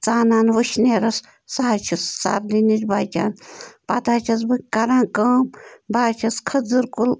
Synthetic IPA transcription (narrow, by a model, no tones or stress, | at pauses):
t͡saːnaːnʋəʃneːɾɐs | saɦat͡ʃʰissa̰ɾd̪init͡ʃʲbaːkʲa̰ːnpat̪aːt͡ʃʰɐs̬bɨkɐɾãːkəːmbaːt͡ʃʰɐskʰɐzɨɾkul